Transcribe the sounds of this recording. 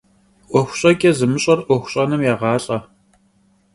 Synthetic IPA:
ʔʷɔxʷɕʼɐɡʲʼɛzɨmɨɕʼɐrʔʷɔxʷɕʼɐnɨmjaːʁɑːɬʼɐ

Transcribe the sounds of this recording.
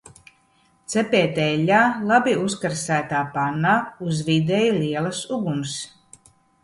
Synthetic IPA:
t̪sɛpʲɛːt̪ɛlʲːaːlˠabiuskaɾsæːt̪aːpanːaːuzvid̪ɛjuliɛlˠɐsuɡuns

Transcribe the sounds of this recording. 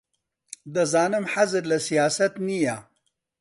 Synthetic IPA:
d̪əzɑːnəmħazəɾlasijɑːsat̪nija

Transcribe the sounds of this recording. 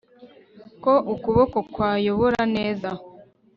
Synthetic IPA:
ko̞ʔukuβokokwaːjo̞βoɾaneːza

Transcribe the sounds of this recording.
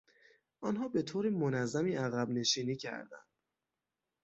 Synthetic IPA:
ʔɒnɦɒːbe̞t̪ʰoːɾimonæzːæmiːæɣæbne̞ʃiːniːcʰæ̰ɾd̪æ̰nd̪̥

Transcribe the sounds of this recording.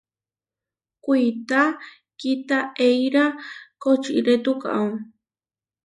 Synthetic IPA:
kʷijt̪a | kit̪aejɾakot͡ʃḭɾet̪uka̰w

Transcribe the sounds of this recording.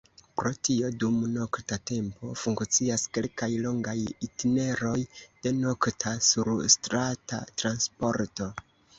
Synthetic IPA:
pɾo̞tio̞dumno̞ktate̞mpo̞fuŋkt͡siaske̞lkajlo̞ŋɡajitine̞ɾo̞jd̥e̞no̞ktʰasuɾstɾata̰tɾanspo̞ɾto̞

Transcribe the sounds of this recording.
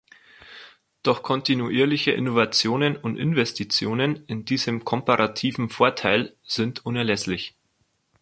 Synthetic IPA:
d̥ɔχkʰɔntinuʔiːɐlɪçəʔɪ̰novat͡sjoːnənʊntʔɪ̰nvɛstit͡sjoːnənɪndiːzəmkʰɔmpaʁatʰiːvn̩foːɐtʰaɪlz̥ɪntʔʊnɛɐlɛslɪç

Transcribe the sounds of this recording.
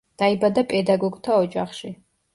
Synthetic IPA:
d̪̥ajibɐdɐpʼedaɡoɡʼtʰɐɔd͡ʒaχʃi

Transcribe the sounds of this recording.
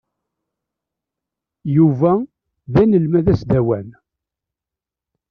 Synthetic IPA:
juvæ | ðænəlmæðæsd̪æwæn

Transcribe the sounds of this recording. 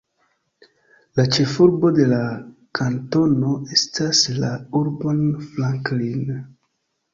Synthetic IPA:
lat͡ʃe̞fuɾbo̞de̞la | kʰanto̞no̞e̞staslauɾbo̞nflaŋklin

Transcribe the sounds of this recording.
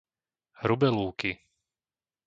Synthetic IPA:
hɾubɛluːki

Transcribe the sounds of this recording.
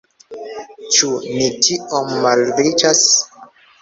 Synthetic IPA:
t͡ʃunitʰiomːalɾɾit͡ʃas

